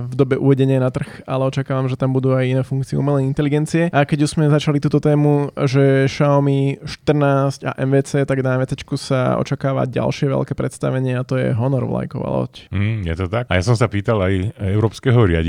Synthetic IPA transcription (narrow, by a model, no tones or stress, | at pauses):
vd̪ɔbɛʔṵʋɛɟɛɲɪanat̪r̩xalɛɔt͡ʃakaːʋamʒɛt̪ambud̪uajinɛːfuŋkt͡siɛumɛlɛint̪ɛliɡɛnt͡siɛakɛɟuʒz̥mɛzat͡ʃalit̪uːt̪ɔt̪ɛːmuʒɛʃaɔmiʃt̪r̩naːsca̰ʔɛmʋɛːt͡sɛːt̪aɡd̪amɛt͡sat͡ʃkusa̰ɔ̰t͡ʃakaːʋa̰ɟa̰lʃɪɛʋɛ̰lkɛːpɾɛt̪st̪aʋɛɲɪɛat̪ɔjɛ̰ɦɔnɔɾɔ̰ʋla̰jkɔʋa̰lɔ̰scm̩jɛt̪ɔt̪ak̚ajasɔ̃msapiːt̪alajɛʊɾɔːpskɛɦɔɾɪa̰ɟi